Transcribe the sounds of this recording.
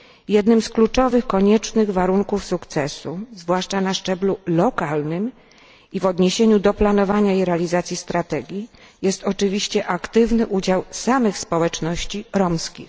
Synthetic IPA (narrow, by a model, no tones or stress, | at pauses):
jɛd̪nɘmsklut͡ʂɔvɘxkɔɲɛt͡ʂnɘɣvaɾuŋkufsukt̪sɛsuzvwaʂt͡ʂanaʂt͡ʂɛblulɔkalnɘm | ivɔd̪ɲeɕeɲud̪ɔplanɔvaɲaiɾɛalʲizat̪sʲjist̪ɾat̪ɛɡʲi | jɛst̪ɔt͡ʂɘvʲiɕt͡ɕɛʔakt̪ɘvnɘʔud͡ʑawsamɘxspɔwɛt͡ʂnɔɕt͡ɕiɾɔmskʲḭx